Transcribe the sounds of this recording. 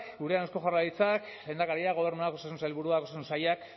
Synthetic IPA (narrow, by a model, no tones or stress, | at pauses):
ɡuɾeanewsko̞ʝarait͡sak | le̞ːnd̪akaɾiaɣo̞β̞e̞ɾnuako̞sas̬unsalβuɾuakosasunsajak